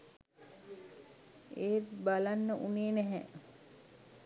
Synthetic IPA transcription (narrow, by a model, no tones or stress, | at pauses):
eːt̪balanːəʔuneːnɛɦɛ